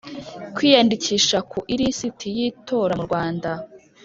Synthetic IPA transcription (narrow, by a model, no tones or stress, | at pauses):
kwiːjandiciʃakʰuʔiɾisitʰijito̞ːɾamuɾɡwaːnda